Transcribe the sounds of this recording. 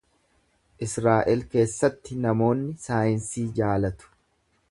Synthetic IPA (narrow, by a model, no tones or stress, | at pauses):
ʔɪsɾaːʔɛlke̞ːsːɐt̪ːɪnɐmo̞ːnːɪsaːjɪnsiːd͡ʒaːlɐt̪ʊ̥